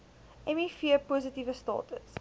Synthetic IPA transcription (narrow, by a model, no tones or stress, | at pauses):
ʔɛmifiəpuzətivəstɑ̰ːtə̰s